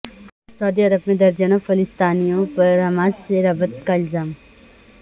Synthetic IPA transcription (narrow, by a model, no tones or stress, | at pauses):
sɐːd̪iɐɾəbmẽd̪ɐɾd͡ʒanofɐlɪst̪aːnijõpɐɾɐmaːzseɾɐbət̪kaɪlzaːm